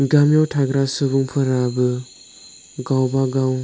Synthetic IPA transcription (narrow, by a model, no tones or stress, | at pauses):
ɡamjawtʰaɡɾasɯbuŋpʰɯɾabɯ | ɡawbaɡaw